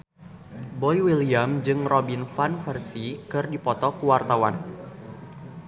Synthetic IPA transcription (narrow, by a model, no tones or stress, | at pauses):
bɔjwiliamd͡ʒɨŋrɔbinfanfɛrsikɨrdipɔt̪ɔkuwart̪awan